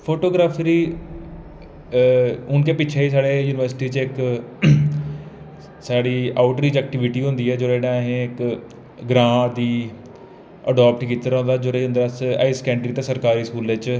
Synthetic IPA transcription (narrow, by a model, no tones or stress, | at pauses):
pʰoːʈoːɡɾaːpʰɾiː | ʊnkeːpɪt͡ʃʰeːiːs̬aːɽeːjuːnɪʋəɾsʈiːt͡ʃɪk | saːɽiːaːʊʈɾiːd͡ʒɛːk̚ʈɪʋɪʈiːɦʊ̃nd̪iːɛːd͡ʒoːɾeːɽãːɦẽɪk | ɡɾãːd̪iː | ə̰ɖaːp̚ʈkiːt̪əɾõːnd̪aːd͡ʒoːɾẽnd̪əɾasa̰ːiskɛ̃ːɳʈɾiːt̪ẽːsəɾkaːɾiːskuːlet͡ʃ